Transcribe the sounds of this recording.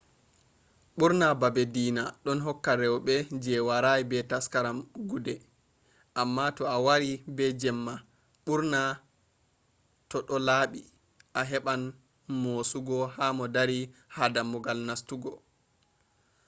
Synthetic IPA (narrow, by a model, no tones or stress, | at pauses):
ɓuɾnababedinaɗɔnɦɔkːaɾɛwɓɛd͡ʒɛwaɾajibɛtaskaɾamɡudɛ | ʔamːatɔawaɾibɛd͡ʒɛmːa | ɓuɾna | tɔɗɔlaːɓi | ʔaɦɛɓan | mosuɡɔhamɔdaɾihadamɔɡalnastuɡɔ